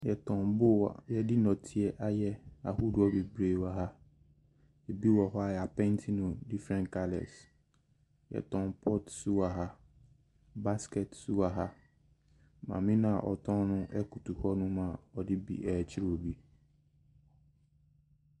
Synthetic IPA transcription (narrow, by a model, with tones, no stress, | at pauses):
jɛ˨tʰɔ̃˨nbʊ˦wa̰˨jɛ˦dɪ˦nɔ̃˨tʰi˨ɛ˦ʔa˦jɛ˦a˨hu˦dʊ˨˦ɔ˦be˨bɾeː˨wa˨ɦa˦ | e˨bi˦wɔ˨ɦɔ˦a˨jɛ˨a˨pɛ̃˦ntʰi˦nʊ̃˨di˦fɾɛ̃˨nkʰa˦lɛ̰˨s | jɛ̰˨tʰɔ̃˨npʰɔ˦tsu˦a˨ɦa˦ | ba˦skɛ˨tsu˦wa˨ɦa˦ | mã̰˨mĩ˦nã˦a˨ʔɔ̰˨tʰɔ̃˦nʊ̃˦ʔɛ˦ku˨tu˨hɔ˦nʊ̃˦mã˨ɔ˨dɪ˦bḭ˨ʔɛː˨t͡ɕʰɪ˦ɾo˨bi˦